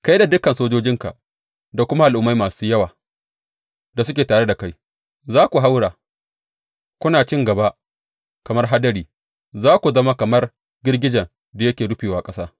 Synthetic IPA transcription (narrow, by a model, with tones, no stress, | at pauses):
ka˦jda˨dʊ˦kɐ˨nsoː˦d͡ʒoː˦d͡ʒɪ˦ŋka˨ | da˨kʷʊ˦ma˦ʔa˨lʔʊ˨mːa˦jmaː˨suː˦jɐ˦waː˨ | da˨sʊ˦kʲeː˨taː˨ɽe˦da˨ka˦j | zaː˦kʷu˨ɦa˦wɽaː˨ | kʷʊ˦naː˨t͡ʃɪ˦ŋɡɐ˨ba˦ʔ | kɐ˨mɐ˦rɦa˦dɐ˦ɾiː˨ | zaː˦kʷu˨zɐ˦ma˦kɐ˨mɐ˦r | ɡʲɪ˦rɡʲɪ˦d͡ʒɐ˨n | da˨jɐ˦kʲeː˨ɽʊ˦ɸeː˨waː˨kʼɐ˦saː˦